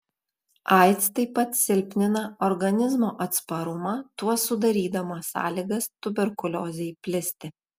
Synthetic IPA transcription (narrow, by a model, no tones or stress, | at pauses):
ʔɐˑɪt̪st̪ɐɪpːɐt̪sʲɪlʲpʲnʲɪnɐɔɾɡɐnʲɪzmoːʔɐt̪spɐɾʊmɑːt̪uɔsʊd̪ɐɾʲiːd̪ɐmɐsɑ̰ːlʲiːɡɐst̪ʊbʲɛɾkʊlʲoːzʲɛjpʲlʲɪsʲt̪ʲɪ